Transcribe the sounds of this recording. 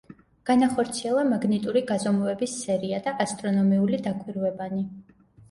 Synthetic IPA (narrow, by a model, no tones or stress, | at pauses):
ɡ̥anaχɔɾt̪sʰiɛlˠamaɡnit̪ʼuɾiɡazɔmuɛbisːɛɾiad̪aʔast̪ʼɾɔnɔmiulid̪akʼwiɾvɛbani